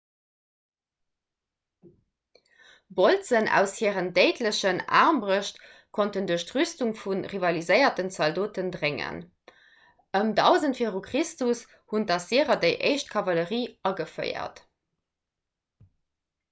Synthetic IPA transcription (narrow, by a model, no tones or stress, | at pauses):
bolt͡sənæ̰ʊshiəʁəndeɪtləɕəna̰ːʁmbʁəɕt | kʰontənduəɕtʁystuŋfunʁivɑlizəɪɐtənsɑldoːtəndʁeŋə̰n | əmdɑʊzəntfeʁukʁistus | hundɑsiəʁɐdəɪʔḛɪʃt̚kʰɑvɑləʁiːɑɡəfɜ̰ɪɐ̰t